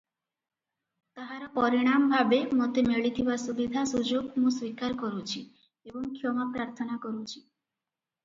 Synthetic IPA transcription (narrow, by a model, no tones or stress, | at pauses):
t̪aɦaɾapɔɾiɽ̃ambʱabemot̪emeɭit̪ʰibasubid̪ʱasud͡ʑoɡmũswikaɾkoɾut͡ɕʰi | eboŋkʰiomapɾaɾt̪ʰonakoɾut͡ɕʰi